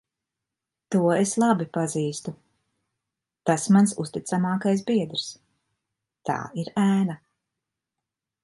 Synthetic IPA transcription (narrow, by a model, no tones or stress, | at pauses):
t̪uɔeslˠabipaziːst̪u | t̪asmansṵst̪it̪samɑːkajs̬biɛd̪ɾs | t̪a̰ːiɾæːna